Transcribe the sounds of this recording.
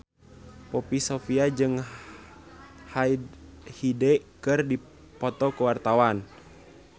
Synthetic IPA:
pɔpisofiad͡ʒɨŋ | haidhidɛkɨrdi | pɔt̪ɔkuwart̪awan

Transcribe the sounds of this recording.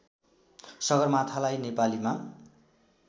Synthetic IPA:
sʌɡʌrmat̪ʰalajnepalima

